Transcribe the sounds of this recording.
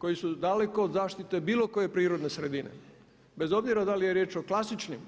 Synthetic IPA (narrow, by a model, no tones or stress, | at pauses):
ko̞jisud̪ale̞ko̞ːd̪zaːʃt̪it̪e̞biːlo̞ko̞je̞pɾiːɾo̞d̪ne̞sɾe̞d̪ine̞̰ | be̞zo̞bziɾad̪alijeɾje̞ːt͡ʃo̞klˠasit͡ʃnim